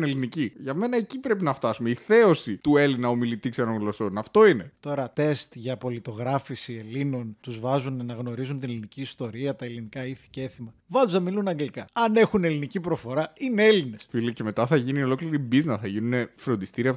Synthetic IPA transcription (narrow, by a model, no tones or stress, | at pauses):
neliniciʝɐme̞nɐe̞cipɾe̞pinɐft̪ɐsumeiθe̞o̞sit̪ue̞linɐo̞milit̪iksenoŋlo̞sonɐft̪o̞ine̞t̪o̞ɾɐt̪e̞st̪ʝɐpo̞lit̪o̞ɣɾɐfisie̞lino̞nt̪uzvɐzunɐnɐɣno̞ɾizunt̪ine̞liniciːst̪o̞ɾiɐt̪ɐe̞linikɐiθi̥ceeθimɐvɐzuzɐmilunɐŋɡlikɐɐne̞xune̞linicipɾo̞fo̞ɾɐine̞e̞line̞sfilice̞me̞t̪ɐθɐʝinio̞lo̞kliɾibiznɐθɐʝinune̞fɾo̞nd̪ist̪iɾiɐ